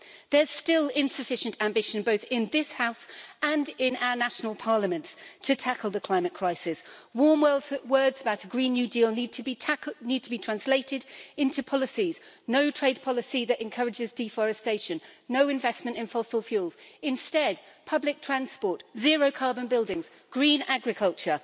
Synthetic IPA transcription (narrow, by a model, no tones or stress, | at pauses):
ðə˞z̥stɪlˠɪ̃nsɨfɪʃə̃ntæ̃mbɪʃɨ̃nboʊθɪ̃nðɪshaʊsə̃ndɪ̃na̰ʊə˞naʃnəl̩ˠpʰɑɹləmə̃ntstʰɨtʰakəlˠðəkʰl̥ãɪ̃mɨt̚kʰɹ̥aɪsɪswɔɹmwɜlˠzwɜ˞dzəbaʊɾəɡɹĩnːjʉdilˠnid̚tʰnid̚tʰəbitʰɹ̥æ̃nsleɪɾɪdɪ̃ntʰʉpʰɒlˠəsiz | noʊtʰɹ̥eɪd̚pʰɒlˠəsiðɨɾɨ̃nkʰʌɹɨd͡ʒɪzdifɔɹɨsteɪʃɨ̃nːoʊɨ̃ɱvɛsmə̃ntɨ̃nfɒsəlˠfjuːlˠz̥ɨ̃nstɛd̚ | pʰʌblɪk̚tʰɹ̥æ̃nspɔɹtz̥ɪəɹoʊkʰɑɹbə̃nbɪlˠdɪ̃ŋz̥ | ɡ̥ɹĩnaɡɹɨkʰʌlˠt͡ʃə